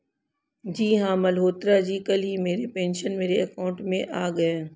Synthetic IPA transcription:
d͡ʒiːɦãːmɐlɦoːt̪ɾad͡ʒiːkɐlɦimeːɾepẽːnʃənmeːɾeɐkaːʊ̃ɳʈmẽʔaːɡɐeː

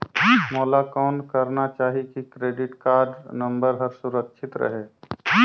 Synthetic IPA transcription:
mɔːlakɔːnkəɾnat͡ʃaːɦikikɾeːɖɪʈkaːɾɖnə̃mbəɾɦəɾsuɾəkʃʰɪt̪ɾə̰ɦe

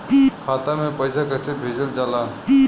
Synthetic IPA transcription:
ikʰaːt̪amẽpəjsakəsebʱeːd͡ʒəld͡ʒaːla

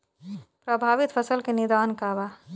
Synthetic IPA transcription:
pɾəbʱaːʋit̪fʰəsəlkenɪd̪aːnkaʋa

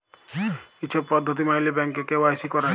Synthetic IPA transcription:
kit͡ʃʰɔppɔd̪ʱːɔt̪̬imailibɛŋkekewajsikɔɾa

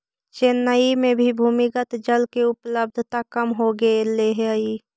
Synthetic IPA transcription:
t͡ʃeːnːəimẽbʱibʱuːmɪkət̪d͡ʒəlkeʊpləb̚d̪ʱt̪akəmɦoɡəeleɦɛi

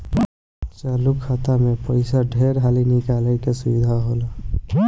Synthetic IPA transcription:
t͡ʃaːlukʰːat̪amepəɪsaɖʱeːɾɦaːlinɪkaːləkesʊʋid̪ʱaɦoːla

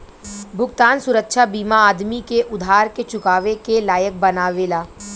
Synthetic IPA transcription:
bʱʊɡt̪aːnsʊɾəkʃʰabiːmaaːd̪mikeʔʊd̪ʱaːɾket͡ʃʊkaːʋekelaːjək̚bɐnaːʋeːlaː

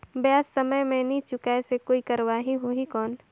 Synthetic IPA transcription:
bjaːsːəməjmẽnĩt͡ʃʊkaɛsekoːikɐɾwaːɦiɦoɦikɔːn

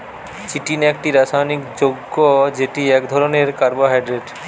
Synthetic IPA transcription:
t͡ɕiʈinekʈiɾaʃajnikd͡ʑoɡːod͡ʑeʈiɛkd̪ʱɔɾoneɾkaɾboɦajɖɾeɖ

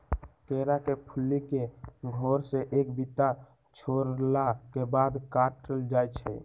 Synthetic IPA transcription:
keɾakepʰulːikeɡʱoɾseʔeːkbit̪a | t͡ʃʰoɾlakebad̪kaʈʈəld͡ʒajt͡ʃʰɛ̰

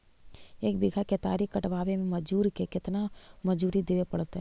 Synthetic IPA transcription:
eːkbɪɡʱaket̪a̰ːɾikɐʈʋaːʋemẽmɐd͡ʒuːɾkekɪt̪namɐd͡ʒuːɾid̪ɪʋepɐɽt̪eɦɛː

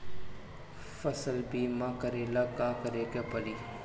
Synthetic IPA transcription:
fɐsəlbiːmãkəɾelakãːkəɾeːkapəliː

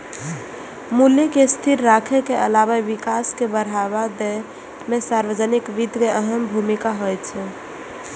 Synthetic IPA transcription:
muljekest̪ʰiɾːakʰekeʔəlaβaʋikaskebəɽ̤aβad̪ɛ | mesaɾʋəd͡ʒənikʋid̪ʱkeəɦəmbʱumikaɦojt͡ʃʰɛ

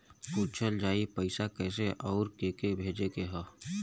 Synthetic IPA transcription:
kuːt͡ʃʰəld͡ʒaːipəɪsakɛːseʔɔːɾkeːkebʱeːd͡ʒekeɦə

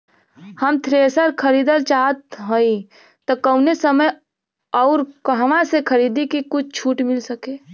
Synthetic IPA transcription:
həmt̪ʰɾeːsəɾkʰəɾiːd̪əlt͡ʃaɦət̪ɦõi | t̪ɔkəʊnesəməj | ɔʊɾɦəmasekʰəɾiːd̪ikikʊt͡ʃʰt͡ʃʰuːʈmɪlsəkeː

